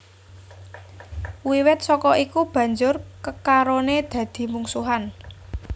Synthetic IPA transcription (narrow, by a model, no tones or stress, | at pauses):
wiwɪt̪̚sɔkɔikub̥ä̤ɲd͡ʒʊrkəkaɾoned̪̥ä̤d̪̥i̤muŋsuɦan